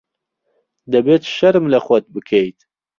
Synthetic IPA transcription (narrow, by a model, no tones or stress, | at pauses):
d̪ɐbeːt̪ʃɐɾɨmlɐxwɐd̪̚bɨkʰejt̪